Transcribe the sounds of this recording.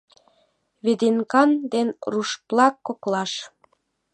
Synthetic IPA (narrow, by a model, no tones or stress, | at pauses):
βed̪enkɑnd̪enruʃplɑkːoklɑʃ